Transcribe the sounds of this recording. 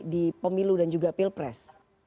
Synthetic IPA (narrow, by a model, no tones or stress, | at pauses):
dipəmiludand͡ʒuɡapilpɾɛs